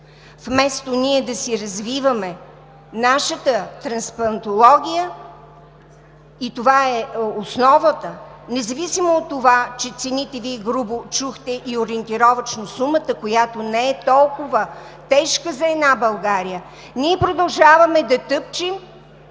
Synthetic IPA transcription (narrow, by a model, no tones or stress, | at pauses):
fmɛst̪oniɛd̪ɐsiɾɐzvivəmɛ | naʃət̪ət̪ɾɐnspɐɾɐnt̪olˠɔɡʲijə | it̪ovaɛosnɔvət̪ənɛzɐvisimoːt̪ːovat͡ʃɛt̪sɛnit̪ɛviɛɡɾubot͡ʃuxt̪ɛʔioɾiɛnt̪iɾɔvət͡ʃnosumət̪əkojat̪onɛɛt̪ɔlˠkʊvə | t̪ɛʃkəzɐɛd̪nabɐlˠɡaɾijə | niɛpɾod̪ɐlˠʒavəmɛd̪ɐt̪ɤp̚t͡ʃim